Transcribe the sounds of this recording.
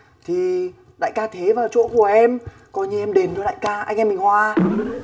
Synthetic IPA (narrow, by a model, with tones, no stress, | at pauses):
t̪ʰi˨˩ | la̰ː˧˨jkaː˧t̪ʰe˨˦vaː˨˩wt͡ɕo̰˧˥ku˧˩əʔɛ˧m | kɔ˨˧ɲi˧ʔɛ˧mɗe˨˦nɗɨ˨˦la̰ː˧˨jkaː˧ʔa˧jŋ̟ʔɛ˧mːï˨˩ŋ̟hwaː˧